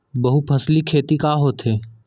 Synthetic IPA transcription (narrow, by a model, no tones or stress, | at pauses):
bɐɦupʰɐslikʰeːt̪ikaːɦoːt̪ɦeː